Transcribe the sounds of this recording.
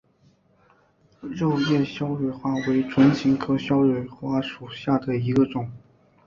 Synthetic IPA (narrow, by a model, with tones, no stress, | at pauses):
ɻo˥˧ʊjɛ˥˩ɕjɑ˥ʊɻɛ˥˩ɪxwa˥˩we˧˥ɪʈ͡ʂʰwə˧˥nt͡ɕʰi˧˥ŋkʰɤ˥ɕjɑ˥ʊɻɛ˨˩ɪxwa˥˩ʂu˨˩ɕja˥˩d̪ə˩i˧˥ɡə˧ʈ͡ʂʊ˨˩˦ŋ